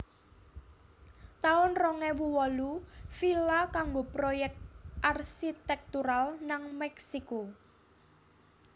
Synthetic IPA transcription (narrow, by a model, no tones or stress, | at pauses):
t̪aʊnrɔŋɛwuwɔlufilakaŋɡopɾojɛk̚t̪̚ʔarsit̪ɛk̚t̪uɾalnaŋmɛksiko